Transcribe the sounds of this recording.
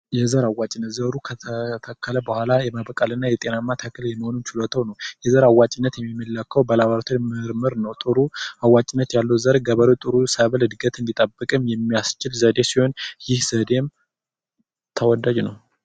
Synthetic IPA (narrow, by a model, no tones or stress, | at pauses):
jɛzəɾawat͡ʃʼɪnːət̪zəɾukʰət̪ʰət̪ʰəkʰːələbəhʷalajɛməβəkʼalɨnːajɛt̪ʼe̞namːat̪ʰakʰːəljɛmːəho̞nut͡ʃɪlot̪ʰəwnəwjɛzəɾawːat͡ʃʼɪnːət̪jɛmːimːəlːakʰːəwbəlaβaɾt̪ʰumɨɾmɨɾnəwt̪ʼɨɾuawːat͡ʃʼɪnːət̪jalːəwzəɾɡəβəɾot̪ʼɨɾusəβəlɨd̪ɡət̪ɨnd̪it̪ʼəbːɨkʼɨmjɛmːijast͡ʃɪlzəd̪e̞siho̞njɪhz̥əd̪em | t̪ʰəwɔd̪ad͡ʒnəw